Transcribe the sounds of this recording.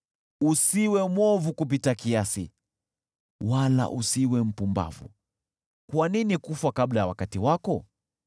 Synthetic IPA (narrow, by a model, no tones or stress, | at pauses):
usiwɛmwɔvukup̬itakiasḭ | wala̰ʔusiwɛm̩pumba̰vṵ | kwaninikufwakablajawakatiwakɔ